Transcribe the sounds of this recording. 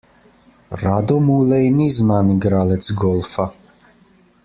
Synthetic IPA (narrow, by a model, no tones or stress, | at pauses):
ɾad̪ɔmuːlɛjnizmaniɡɾalɛt̪sɡɔlˠfa